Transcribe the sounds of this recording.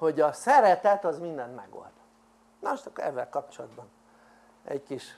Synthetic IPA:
ho̞ɟɒsɛɾɛt̪ɛt̪ɒzmind̪ɛnt̪mɛ̰ɡo̞̰ld̪ | nɒʃt͡ʃɒkɛ̰vːɛlkɒp̚t͡ʃolɒd̪bɒn | ɛ̰ɟkiʃ

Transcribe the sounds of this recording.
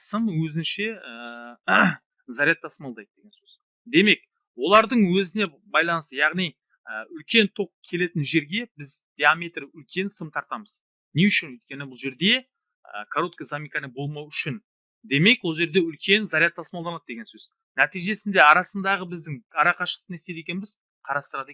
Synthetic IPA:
səmwɵzɪnʃe̞ə | zaɾijat̪ːʰɑsmɑlˠd̪ɑjd̪əd̪e̞ɡʲensøz̥ | d̪e̞me̞k | wo̞lˠɑɾd̪əɴwɵzɪne̞ | bɑjlˠɑnəst̪əjɑʁnij | əʏlkʲe̞nt̪ʰo̞q̚kʲʰe̞le̞t̪ɪnʒe̞ɾɡʲe̞bɪzd̪̥ʲeamʲejt̪rʏlkʲʰe̞nsəmt̪ʰɑɾt̪ɑməz̥ | neʏʃɪnɵjt̪̚kʲe̞nɪbʊlˠʒe̞ɾd̪e̞ | ə̰kʰaɾot̪̚kəzamʲijkanəbo̞lˠmɑwʏʃɪn | d̪e̞me̞kwo̞lˠʒe̞ɾd̪e̞ʏlkʲe̞nzaɾijat̪ːʰɑsmɑlˠd̪ɑnɑd̪əd̪eɡʲe̞nsɵz̥ | næt̪ijʒe̞sɪnd̪e̞ɑɾɑsənd̪ɑʁəbɪzd̪ɪŋɑɾɑqɑʃəənese̞jd̪e̞kʲe̞nbɪz̥ | qʰɑɾɑst̪əɾɑd̪e

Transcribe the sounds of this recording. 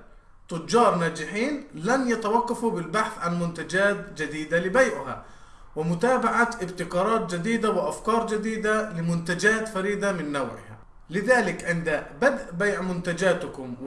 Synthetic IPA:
t̪ʊd͡ʒːɑːɾˤnaːd͡ʒɪħiːnlanjat̪awɑqːɑfubɪlbaħθʕanmʊnt̪ad͡ʒaːt̪d͡ʒad̪iːd̪alɪbajʕɪɦa̰ | wɪmʊt̪aːbaʕaʔɪbt̪ɪkɑːɾˤɑːt̪̚d͡ʒɪd̪iːd̪awɪʔafkɑːɾˤd͡ʒad̪iːd̪alɪmʊnt̪ad͡ʒaːt̪faɾiːd̪amɪnːawʕɪ̰ha̰ | lɪðaːlɪkʕɪnd̪abad̪ʔbajʕmʊnt̪ad͡ʒaːt̪ʊkʊmw

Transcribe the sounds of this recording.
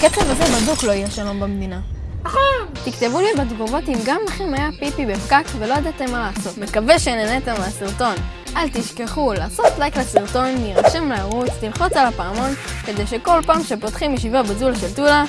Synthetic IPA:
ket͡sevazebaduklo̞ijaʃalo̞mbemed̪ina | aχo | t̪ikt̪e̞vulibedɡovo̞timɡamlaχemajapipibefkakvelojad̪at̪emːalaːso̞t̪me̞kave̞ʃenenet̪emaasiʁto̞n | ʔalt̪iʃkeχulaːso̞t̪lajklesiʁto̞nːiʁaʃemleaʁut͡stilχo̞t͡salapaamo̞nke̞de̞jʃe̞ko̞lpaːmʃepo̞t̪χimjeʃivabezulʃeltula

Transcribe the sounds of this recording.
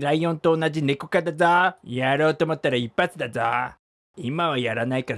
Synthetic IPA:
ɾaijõ̞nt̪o̞ːnad͡ʑine̞ko̞kad̪azajaɾo̞ːt̪oːmo̞t̪ːaɾaipːat͡sɨd̪aza̰ | imaβajaɾanaikaɾ

